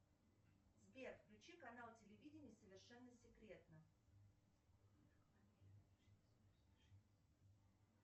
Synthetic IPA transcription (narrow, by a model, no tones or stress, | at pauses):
zbʲerfklʲʉt͡ɕikɐnalˠtʲɪlʲɪvʲidʲɪnʲɪjsəvʲɪrʂɛnːəsʲɪkɾʲe̞t̪nə